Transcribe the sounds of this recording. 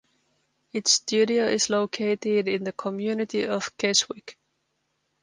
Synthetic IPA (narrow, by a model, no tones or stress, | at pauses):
ɪtstʉɾioʊʔɪzloʊkʰeɪtɪdɪ̃nðɨkʰəmjʉnɪtiəv̥kʰɛswɪk